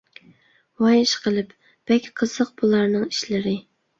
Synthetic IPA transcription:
wɑjɪʃqəlˠɨp | b̥ɛkʲqʰəz̥əq̚b̥ulˠɑɾnɨŋi̥ʃlɪɾɪ

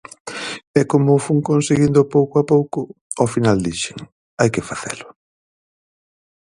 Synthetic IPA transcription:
ɛkomʊfuŋkonseɣind̪ʊpowkoapowkʊɔfinald̪iʃeŋ | ajkɪfaθɛ̰lʊ

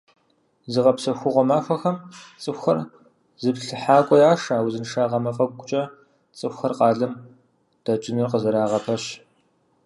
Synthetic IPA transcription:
zɨʁɐpsɐxʷʊʁʷɔmaːxʷɐxɐmt͡sʼɨxʷɐr | zɨpɬɨħaːkʷʼɔjaːʂaːwzɨnʂaːʁɐmɐfʼɐɡ̚ʷɡʷʼʊt͡ʃʼɐ | t͡sʼɨxʷxɐrqɑːɮɐm | d̥at͡ʃʼɪnɨrqəzɐɾaːʁɐpʰɐɕ

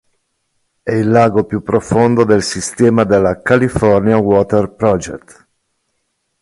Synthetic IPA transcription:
ɛilːaːɡopjupːɾofond̪od̪elsist̪ɛːmad̪elːakalifɔrnjawɔːt̪ɛrpɾɔd͡ʒɛ̰t̪

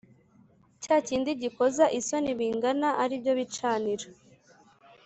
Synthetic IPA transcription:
caːciːndiɟiko̞zaʔiso̞niβiːŋɡanaʔaɾibɟo̞βit͡ʃaːniɾa

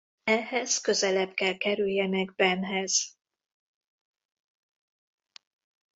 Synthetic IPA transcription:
ɛhɛz̥kø̞zɛlɛbkɛlkɛɾyljɛnɛɡ̚bɛnɦɛz̥

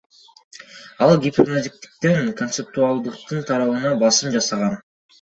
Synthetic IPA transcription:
ɑlˠɡʲɪpʲernad̪ʲik̚t̪i̥k̚t̪eŋko̞nt̪sep̚t̪ualˠd̪ɯq̚t̪ɯnt̪ʰɑɾɑβɯnɑbɑsɯmd͡ʒɑsɑʁɑn

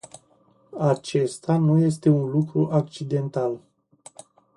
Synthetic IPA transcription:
at͡ʃe̞st̪anuje̞s̬t̪e̞unlukɾuʔak̚t͡ʃid̪e̞nt̪al

